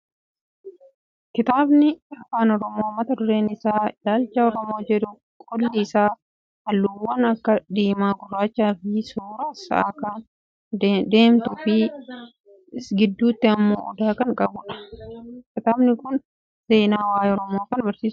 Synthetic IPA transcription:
kɪt̪aːbnɪɐfaːnɔɾɔmo̞ːmɐt̪ɐd̪ʊɾe̞ːnɪsaːɪlaːlt͡ʃːɐɔɾɔmo̞ːd͡ʒɛᶑʊ | kʼɔlːiːsaː | ɐlːʊwːɐnɐkːɐd̪iːmaːɡʊrːaːt͡ʃːaːfɪsuːɾasɐ̰ʔaːka | d̪e̞ːmt̪ʊfɪ | ɡɪd̪ːuːt̪ːɪɐmːo̰ːʔɔ̰d̪aːkɐŋkʼɐbʊᶑɐ̥ | kɪt̪aːbnɪkʊn | se̞ːnaːwaːjɔɾɔmo̞ːkɐnbɐɾsiːsʊ

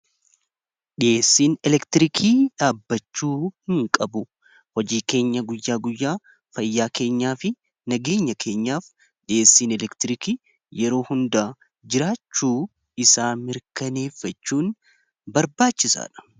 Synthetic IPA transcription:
ᶑɪjʔeːsːiːnɛlɛkt̪ɪɾɪkʰiːᶑaːbːɐt͡ʃːuːhɪŋkʼɐbʊ | hɔd͡ʒiːke̞ːɲːɐɡʊjːaːɡʊjːaː | fɐjːaːke̞ːɲːaːfɪ | nɐɡe̞ːɲːɐkʰe̞ːɲːaːf | ɗɪʔe̞ːsːiːnɛlɛkt̪ɪɾɪki | jɛɾo̞ːhʊnd̪aː | d͡ʒɪɾaːt͡ʃːuː | ɪsaːmɪɾkɐne̞ːfːɐt͡ʃːuːn | bɐɾbaːt͡ʃːɪsa̰ːᶑɐ̥

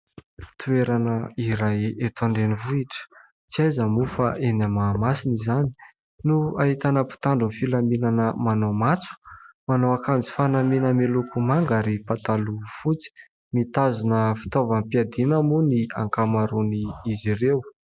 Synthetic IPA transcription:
t̪ueɾanəiɾajet̪aɳɖ͡ʐenivuiʈ͡ʂə̥ | t͡siajzəmufaʔenamaːmasinizani̥ | nuaɦit̪anəpi̥t̪aɳɖ͡ʐunfilaminanəmanomat͡su̥manowakand͡zi̥fanaminəmelukumaŋɡaɾipat̪alufut͡si̥ | mit̪azunəfi̥t̪ovəmpiad̪inəmuniaŋkamaɾuniizirew

